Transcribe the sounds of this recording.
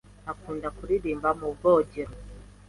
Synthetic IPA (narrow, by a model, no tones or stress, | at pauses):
nakuːndakuɾiɾiːmbamubɡoɟeɾo